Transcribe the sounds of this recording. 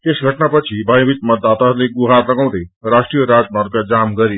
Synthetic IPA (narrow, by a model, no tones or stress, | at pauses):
t̪esɡʱʌʈnapʌt͡sʰibʱaj̃bit̪̚mʌd̪ːat̪aɦɾleɡuɦarlʌɡaw̃d̪ʌrasʈrijʌɾad͡zmar̚kad͡zamɡʌɾi